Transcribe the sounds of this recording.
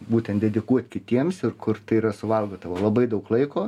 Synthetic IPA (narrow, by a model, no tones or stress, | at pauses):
buːt̪ʲɛnt̪d̪ʲɛd̪ʲɪkuɔt̪ʲkʲɪt̪ʲiɛmsɪrkʰʊɾt̪ɐɪiɾɐsʊʋɐlˠɡoːd̪ɐʋoːlˠɐbɐɪd̪ɐʊklˠɐɪkoː